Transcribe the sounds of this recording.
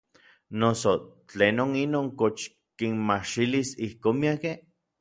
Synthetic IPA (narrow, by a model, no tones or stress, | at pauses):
nosot͡ɬenoninoːŋkot͡ʃ | kinmaʃilisihkoːnmiake